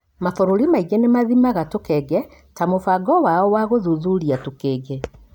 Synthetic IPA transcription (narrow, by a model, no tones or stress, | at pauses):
maθoɾoɾimaiɣenemaðimaɣatokɛɡɛ | tamofaɡɔwaɔwaɣoðuðuɾiatokeːɡɛ